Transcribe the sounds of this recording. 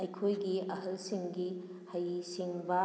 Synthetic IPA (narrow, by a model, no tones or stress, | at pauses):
ɐjkʰojɡiɐɦɐlsiŋɡi | hɐjsiŋbɐ